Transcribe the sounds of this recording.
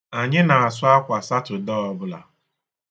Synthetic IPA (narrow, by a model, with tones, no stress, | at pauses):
a˨ɲɪ˦na˨a˨s̬ʊ˦a˦kʷa˨sa˦tʊ˨dɔ˦ɔ˦bʊ˦la̰˨